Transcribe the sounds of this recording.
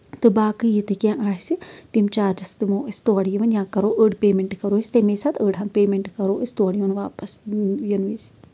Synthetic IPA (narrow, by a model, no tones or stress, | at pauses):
t̪ɨbaːkɨjit̪ɨkʲãːʔaːɦsit̪imt͡ʃaːd͡ʒɐst̪ɨmoːʔist̪oɐɽijiʋɐnjãːkɐɾoːʔəɖpeːmeɳʈkɐɾoːisʲt̪emeːsat̪ʰəːɖɦaːnpeːmeɳʈkɐɾoːʔisʲt̪oːɽijʋɐnʋaːpɐsjɐnʋis